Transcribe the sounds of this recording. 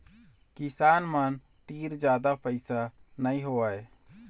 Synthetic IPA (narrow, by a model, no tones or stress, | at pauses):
kisaːnmən | t̪iːɾd͡ʒjaːd̪apəɪsanəĩɦoəe